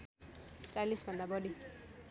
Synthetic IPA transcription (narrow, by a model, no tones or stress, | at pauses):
t͡salisbʱʌnd̪abʌɽi